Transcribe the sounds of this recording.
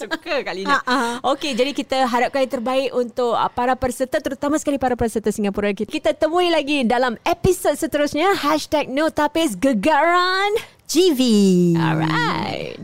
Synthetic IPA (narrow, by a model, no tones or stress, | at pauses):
sukəkalinaʔaoked͡ʒadikit̪aɦaɾap̚kajt̪ərbaɪʔunt̪ʊk̚paɾapərsət̪ət̪əɾut̪amasəkalipaɾapəɾsət̪əsiŋapuɾakikit̪at̪əmũilaɡidalamepisod̚sət̪əɾʊsɲahɛʃtɛk̚not̪apɪs̬ɡəɡaɾan | d͡ʒiviɔ̰ɹa̰ɪt̚